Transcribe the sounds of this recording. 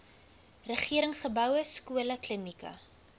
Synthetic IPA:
rəχiəɾəŋsχəbœwəskuələklənikɐ̰

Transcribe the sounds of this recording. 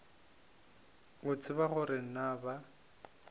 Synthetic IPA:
ʊt͡sʰʼɪbaɣʊɾeŋ̩naba

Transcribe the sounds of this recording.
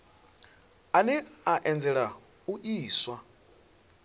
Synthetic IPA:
aniaʔɛnd͡zɛɺa | uʔiːswa

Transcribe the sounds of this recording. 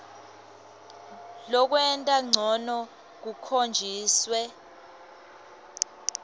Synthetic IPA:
lɔk̬wɛntʼaŋ͡ǀʱɔnɔ | k̬ukʰond͡ʒʱiːswɛ

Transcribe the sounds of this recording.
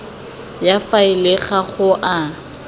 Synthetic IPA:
jafaɪleɣaχʊʔa

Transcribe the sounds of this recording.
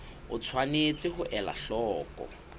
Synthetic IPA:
ʊ̰t͡sʰwanet͡sʼɪhʊʔɛla̰ɬɔːkʼɔ̰

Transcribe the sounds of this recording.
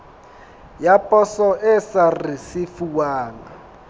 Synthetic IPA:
japʼɔsɔʔɛsarisifuwaːŋa

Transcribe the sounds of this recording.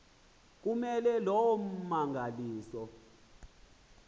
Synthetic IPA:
k̬ʼumɛlɛlɔwɔm̩maŋɡʱaliːsɔ

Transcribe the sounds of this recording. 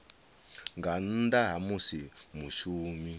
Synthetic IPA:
ŋɡan̩daɦamusimuʃuːmi

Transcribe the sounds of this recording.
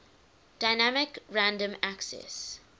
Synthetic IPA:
d̥aɪnæmɪkɹãndə̃mæksɛ̰s

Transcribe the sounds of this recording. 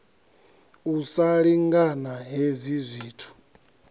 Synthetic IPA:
usaɺiŋɡanaɦezʷizʷiːtʰu̥

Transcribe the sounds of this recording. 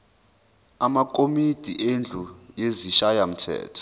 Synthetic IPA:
amak̬ʼomid̥ʱiʔend͡ɮʱujeziʃajam̩tʰɛ̰ːtʰɔ̥

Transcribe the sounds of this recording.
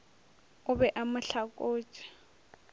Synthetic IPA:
ʊbɛʔamʊɬakʼoːt͡ʃʼi̥

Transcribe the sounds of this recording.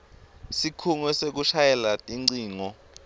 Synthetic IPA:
sikʰuŋwɛsek̬uʃajɛlatʼiŋ͡ǀiːŋɔ

